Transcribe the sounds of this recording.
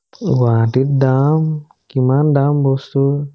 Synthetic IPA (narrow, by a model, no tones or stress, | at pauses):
watit̚dam | kimandambosu